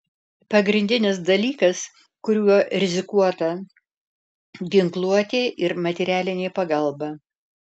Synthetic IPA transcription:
pɐɡɾʲɪnʲd̪ʲɪnʲɪs̬d̪ɐlʲiːkɐs | kʊɾʲuɔɾʲɪzʲɪkuɔt̪ɐ | ɡʲɪŋklˠuɔt̪ʲeːʔɪɾmɐt̪ʲɛɾʲæːlʲɪnʲeːpɐɡɐlˠbɐ

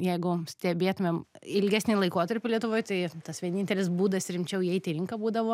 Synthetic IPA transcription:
jɛɪɡʊsʲt̪ʲɛbʲeːt̪ʊmʲemɪlʲɡʲæsʲnʲɪlˠɐɪkoːt̪ɐɾʲpʲɪlʲiɛt̪ʊʋoːjt̪ɐɪt̪ɐsʋʲiɛnʲɪnʲt̪ʲɛlʲɪs̬buːd̪ɐsɾʲɪmʲt͡ʃʲɛʊiɛɪt̪ʲɪɾʲɪŋkɐbuːd̪ɐʋoː

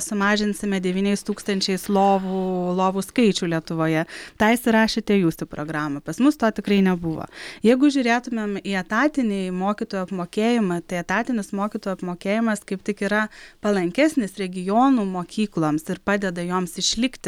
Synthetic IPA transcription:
sʊmɑːʒʲɪnʲsʲɪmʲɛd̪ʲɛʋʲiːnʲɛɪst̪uːkst̪ɐnʲt͡ʃʲɛɪslˠoːʋuːlˠoːʋuskɐɪt͡ʃʲuːlʲiɛt̪ʊʋoːjɛt̪ɑːɪsʲɪɾɑːʃʲet̪ʲeɛjuːsʲt̪ʲupɾoːɡɾɑːmɐpɐsmʊst̪oːt̪ʲɪkɾɐɪnʲɛbʊʋo̰ːjɛɪɡʊʒʲuːɾʲeːt̪ʊmʲemiːɐt̪ɑːt̪ʲɪnʲɪːmoːkʲit̪oːjuɐpmoːkʲeːjɪmɐt̪ɐɪɐt̪ɑːt̪ʲɪnʲɪsmoːkʲiːt̪oːjuɐpmoːkʲeːjɪmɐskɐɪpt̪ʲɪkiːɾɐpɐlˠɐŋʲkʲæsʲnʲeːsɾʲɛɡʲɪjoːnuːmoːkʲiːklˠoːmsɪɾpɑːd̪ʲɛd̪ɐjoːmsɪʃʲlʲɪkt̪ʲɪ

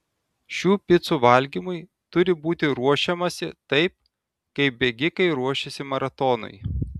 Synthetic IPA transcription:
ʃʲuːpʲɪt̪suːʋɐlʲɡʲimʊɪ | t̪ʊɾʲɪbuːt̪ʲɪɾuɔʃʲɛmɐsʲɪt̪ɐɪp̚ | kɐɪp̚bʲɛɡʲɪkɐɪɾuɔʃʲɛsʲɪmɐɾɐt̪ɔnʊ̰ɪ

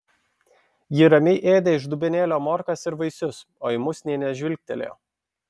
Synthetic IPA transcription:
jɪɾɐmʲɪʔeːd̪ʲɛɪʒd̪ʊbʲɛnʲeːlʲoːmoːɾkɐsɪɾʋɐɪsʲʊs | oːɪmʊsʲnʲɛɪnʲɛʒʲʋʲɪlʲk̚ʲt̪ʲɛlʲḛː

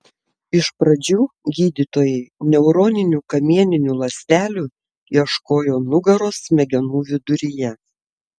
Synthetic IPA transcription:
ɪʃpɾɐd͡ʒʲuːɡʲiːd̪ʲit̪oːjɛɪnʲɛʊɾoːnʲɪnʲuːkɐmʲiɛnʲɪnʲuːlˠɐsʲt̪ʲæːlʲuː | iɛʃkoːjoːnʊɡɐɾoːsmʲɛɡʲɛnuːʋʲɪd̪ʊɾʲɪjɛ

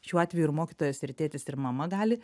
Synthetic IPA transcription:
ʃʲuːɑːt̪ʲʋʲɛjuɪɾmoːkʲit̪oːjoːsɪɾʲt̪ʲeːt̪ʲɪsɪɾmɐmɐɡɑːlʲɪ

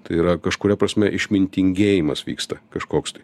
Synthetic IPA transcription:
t̪ɐɪiːɾɐkɐʃkʊɾʲɛpɾɐsʲmʲɛʔɪʃʲmʲɪnʲt̪ʲɪŋʲɡʲeːjimɐsʋʲḭːkst̪ɐkɐʃkoːkst̪ɐɪ

